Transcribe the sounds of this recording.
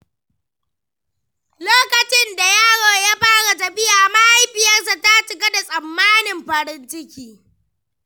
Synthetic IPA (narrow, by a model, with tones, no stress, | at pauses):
loː˦kɐ˨t͡ʃɪ˦nda˨jaː˦ɽoː˨jaː˦ɸaː˦ɽa˨tɐ˨ɸɪ˦jaː˨ma˦ha˦jɸɪ˨jɐ˦rs̬a˨ta˦t͡ʃɪ˨ɡɐ˦da˨sʼɐ˨mːaː˦nɪ˨mɸɐ˨ɾɪ˦ntɪ˦kʲiː˨